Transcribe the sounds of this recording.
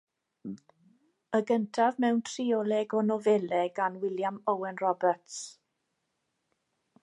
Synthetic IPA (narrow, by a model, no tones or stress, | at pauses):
əɡəntʰavmɛwntʰriɔlˠɛɡɔnɔvɛlɛɡanwɪljamɔwɛnrɔbərts